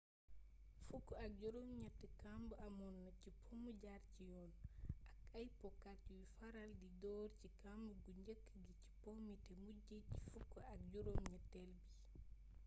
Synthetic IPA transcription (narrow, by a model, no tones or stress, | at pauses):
fukːɔak̚d͡ʒɔɾomɲɛtːɛkambuamɔnːat͡ʃipʰomuɟaɾt͡ʃijɔːnakajpɔkat͡ʃiwifaɾaldidɔɾt͡ʃikambuɡuɲd͡ʒəkːɡit͡ʃi̥pomitɛmuɟet͡ʃi̥fukːɔak̚d͡ʒɔɾomɲɛtːɛlbi